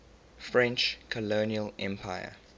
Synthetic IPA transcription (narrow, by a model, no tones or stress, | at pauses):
fɹɛ̃nt͡ʃkʰɔloniəlʔɛ̃mpʰaɪə̰